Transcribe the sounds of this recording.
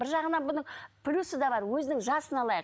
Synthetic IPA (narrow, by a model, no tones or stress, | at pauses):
bɪɾʒɑʁənɑnbʊnəɴpʰlʲusəd̪ɑbɑɾwɵzɪnɪŋʒɑsənɑlˠɑjq